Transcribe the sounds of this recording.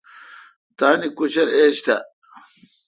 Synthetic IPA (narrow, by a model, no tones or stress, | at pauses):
t̪aːnikuɕɐɾeːɕt̪a